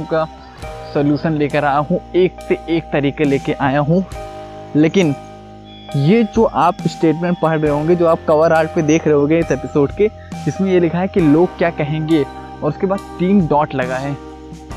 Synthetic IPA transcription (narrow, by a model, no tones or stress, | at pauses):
ka | soljuːʃənleːkəɾaːjaɦũeːk̚seʔeːk̚t̪ɐɾiːkeleːkeʔaːjaɦũ | leːkɪn | jed͡ʒoːʔaːpsʈeːʈmɛ̃ːɳʈ̚pɐɦəɽɾɐɦõːŋɡed͡ʒoːaːp̚kɐʋəɾaːɾʈ̚ped̪eːkʰɾɐɦõːɡeɪsɛpɪsoːɖke | d͡ʒɪsmẽjelɪkʰaɦɛkiloːɡ̚kjaːkɐɦẽːŋɡe | ɔːɾʊskebaːd̪̚ʈiːmɖɔːʈlɐɡaɦɛː